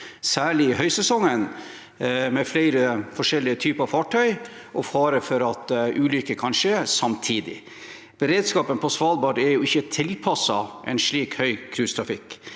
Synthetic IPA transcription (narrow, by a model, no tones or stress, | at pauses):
sæːɭɪɪhœʏsɛsɔŋːən | mɛflæɪɾəfɔʂɛlːɪət̪ʰyːpəɾɑfɑːʈʰœʏ | ʔɔfɑːɾəfɔɾɑt̪ʔʉːlʏkːəkʰɑnʂeːsɑmt̪ʰiːd̪ɪ̰ | b̥əɾeːd̪skɑːpənpʰɔsʋɑːlbɑːʈɛɾjʊɪçːət̪ʰɪlpʰɑsɑʔɛ̰nʂɭiːkhœʏkʰɾʉːst̪ʰɾɑfɪk